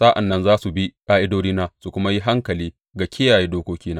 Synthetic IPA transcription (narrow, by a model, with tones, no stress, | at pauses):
sa˦ʔa̰˨nːɐ˦nzaː˦su˨bi˦kaː˦ʔɪ˦doː˦niː˦naː˦su˨kʷʊ˦ma˦ji˦ɦa˦ŋkɐ˨liː˦ | ɡa˨kʲɪ˦jaː˨je˦doː˦kʷoː˦kʲiː˦naː˦